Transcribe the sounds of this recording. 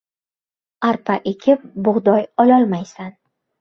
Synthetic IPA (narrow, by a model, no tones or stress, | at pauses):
aɾpʰaʔekʲʰɪp̚bʊʁd̪ɒjɒlɒlˠmajsan